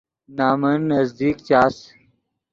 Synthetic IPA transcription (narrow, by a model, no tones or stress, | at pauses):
naːmɐnːɐzd̪iːkt͡ɕaːs